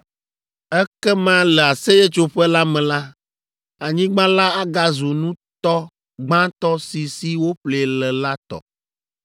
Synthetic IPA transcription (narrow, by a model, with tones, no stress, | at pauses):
ɛ˦kɛ˦mã˦lɛ˨a˨se˦jɛ˦t͡ʃo˦ɸɛ˦la˦mɛ̃˨la˦ | a˨ɲĩ˦ɡ͡bã˦la˦a˦ɡa˦zu˨nũ˦t̪ɔ˦ | ɡ͡bã˦t̪ɔ˦si˨si˦wo˦ɸle˨lɛ˨la˦t̪ɔ̰˨